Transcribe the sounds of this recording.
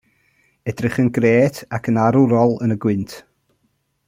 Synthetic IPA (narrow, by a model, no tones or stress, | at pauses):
ɛdrɪχənɡreːtʰakʰənaɾʊɾɔlˠənəɡwɪntʰ